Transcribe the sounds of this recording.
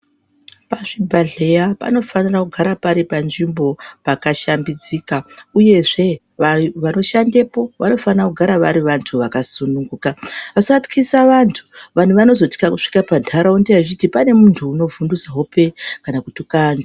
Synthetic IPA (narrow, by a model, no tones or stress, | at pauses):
paʐibʱaɮe̞japa̰no̞fanirakuɡʱaɾapaɾipanʐimbo̞pakaʃambid͡ziːkauje̞ʐe̞ | aʋano̞ʃandepo̞ʋano̞fanirakuɡʱaɾaʋaɾiʋantʰuʋakasunuŋɡuːkaʋasat͡si̥kʰisaʋantʰu̥ʋan̤uʋano̞zo̞ti̥kakuʂi̥kapandʱaɾaundeait͡ʃitipane̞muntʰuːno̞vunduzaɦope̞kanakutukanda